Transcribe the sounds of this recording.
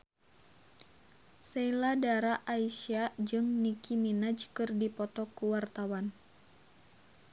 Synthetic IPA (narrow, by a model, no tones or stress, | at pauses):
sɛiladaɾaʔaisiad͡ʒɨŋnikiminad͡ʒkɨrdipɔt̪ɔkuwart̪awan